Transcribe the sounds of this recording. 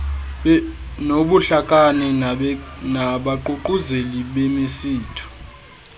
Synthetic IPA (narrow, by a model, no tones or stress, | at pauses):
noɓuɬakʼanɛ | naɓaǃuǃuzeliɓemisiːtʰu̥